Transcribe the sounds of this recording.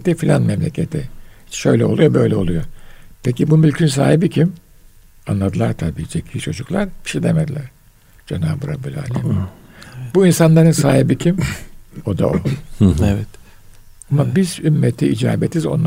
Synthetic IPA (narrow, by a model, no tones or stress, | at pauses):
t̪ifilʲanmɛmlʲecʰet̪ʰiit͡ʃʃø̞̰jlʲɛo̞lˠujo̞bø̞jlʲɛo̞̰lˠujopʰecibumylʲcʰyns̬a̰ːɦibicʰim | anlˠad̪ɯlˠaɾt̪ʰabiːd͡ʒecʰijit͡ʃʰo̞d͡ʒuklˠaɾb̥i̥ʃejd̪emed̪ilʲæɾ̥ | d͡ʒenaːbɯɾa̰bulʲa̰ːlʲɛ | buinsanlˠaɾɯnsaːɦibicʰimo̞d̪a̰oɛvɛt̪ | amabizymːet̪ʰiid͡ʒaːbet̪ʰizo̞̰nlːˠ